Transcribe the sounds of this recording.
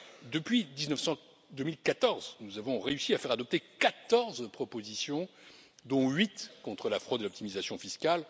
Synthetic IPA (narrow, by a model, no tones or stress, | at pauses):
d̪əpɥid̪iznəfsɑ̃ | d̪əmilkat̪ɔʁznuzavɔ̃ʁeysiafɛʁad̪ɔp̚t̪ekat̪ɔʁzpχɔpozisjɔ̃ | d̪ɔ̃ɥit̪kɔ̃t̪χəlafχod̪elɔp̚t̪imizasjɔ̃fiskal